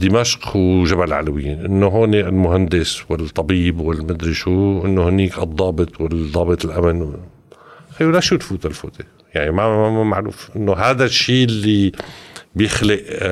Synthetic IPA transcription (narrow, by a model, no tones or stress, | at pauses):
d̪ɪmaʃqwʒabalʕa̰lawɪjːḭːnʔɪnːoɦoːneɪlmʊɦand̪ɪswɪt̪ˤːɑbiːbwɪlmad̪ɾiʃuːʔɪnːohniːkʔɨd̪ˤːɑːbɨt̪ˤwɪld̪ˤɑːbɨt̪ˤɪlʔamɪnw | xajulaʃuːt̪fuːt̪alfṵːt̪e | jaʕnimaamaʕlṵːfʔɪnːoɦaːd̪aʃːiːlːi | bjɪxlɪʔ